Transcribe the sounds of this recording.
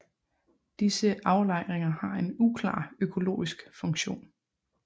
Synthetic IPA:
d̥isəʔɑ̈ʊlɑ̈ɪ̰ʁeŋɐhɑ̈e̝nukʰlɑ̰̈ːøkʰo̝lo̰ːisɡ̥fɔ̽ŋɕo̝̰ːn

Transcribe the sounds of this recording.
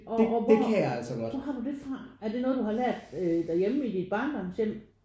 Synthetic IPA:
ɒ̽ʋekʰæjaæl̰sɒɡ̥ɔsɒɦɑ̈d̥ud̥e̝fʁɑ̈æɐd̥e̝nɔ̽ːð̞̩ˠduhɑ̈læɐ̰d̥ød̥ɑ̈jeməid̥id̥̚b̥ɑ̰̈ːnd̥ɒmsem̰

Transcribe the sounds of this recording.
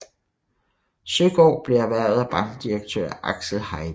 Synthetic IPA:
søɡ̥ɒ̰ːb̥liɐʋæɐ̰ð̩ˠæb̥ɑ̈n̥d̥iɐɡ̥̚t͡sʰø̰ːɐ̰ʔɑ̈ɡ̥səhɑ̈ɪ

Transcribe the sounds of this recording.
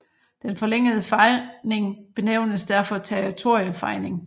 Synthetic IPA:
d̥enfɒ̽leŋ̰əðˠəfɑɪne̝ŋb̥e̝neʊ̰nəsd̥æɐfɒ̽t͡sʰeɐit͡sʰo̝ɐjəfɑ̈ɪne̝ŋ

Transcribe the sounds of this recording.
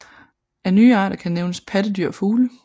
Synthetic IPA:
æɐnyːɑ̰̈ːɾɐkʰæneʊnəspʰæd̥əd̥yɐ̰fuːlə

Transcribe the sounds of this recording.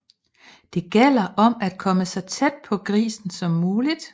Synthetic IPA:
d̥e̝ɡ̥el̰ɐʔɒ̽mæd̥̚kʰɒ̽məsɒ̽t͡sʰed̥̚pʰɒ̽ɡ̥ʁḭːsn̩sɒ̽mːuːlid̥

